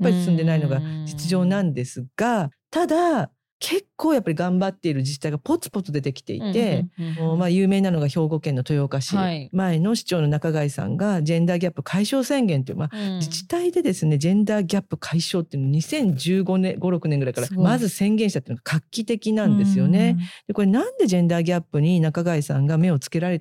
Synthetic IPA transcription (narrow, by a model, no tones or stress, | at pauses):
jappːaɾʲii̥sɨ̃nd̪e̞naino̞ɡad͡ʑit͡sɨʑo̞ːnãnd̪esɨɡ̥at̪ad̪a | kʰe̞kːo̞ːjapːaɾʲiɡãmbat̪ːe̞iɾɯ̟d͡ʑit͡ɕi̥t̪ːaiɡapo̞t͡sɨ̥po̞t͡sɨd̪e̞t̪e̞kʲi̥t̪e̞̰ḭt̪e̞omajɯ̟ːme̞ːnano̞ɡaço̞ːɡo̞kẽnːo̞t̪o̞jo̞kaɕimae̞no̞ɕi̥t͡ɕo̞ːno̞nakaɡaisã̰ŋɡad͡ʑẽ̞nd̪aːɡʲapːɯ̟kʰaiɕo̞ːsẽ̞ŋɡẽ̞nt̪eḭɯ̰mad͡ʑit͡ɕi̥t̪aid̪e̞d̪e̞sɨne̞d͡ʑẽ̞nd̪aːɡʲapːɯ̟kʰaiɕo̞ːt̪ːeiɯnooɲ̟isẽ̞ɲ̟d͡ʑɨːɡonɡo̞ɾo̞kɯ̟nẽ̞ŋɡɯ̟ɾai̥kaɾamazɨsẽ̞ŋɡẽɕit̪at̪eɨnoɡ̥akʰakʲːit̪e̞kʲinãnd̪e̞sɨjo̞ne̞d̪̥e̞ko̞ɾe̞nãnd̪e̞d͡ʑẽ̞nd̪aːɡʲapːɯ̟ɲ̟inakaɡaisãŋɡame̞o̞t͡sɨ̥ke̞ɾaɾe̞t̪